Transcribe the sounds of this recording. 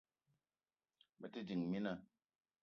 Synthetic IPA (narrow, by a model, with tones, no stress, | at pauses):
mə˨ti˦di˨ŋmi˦na˧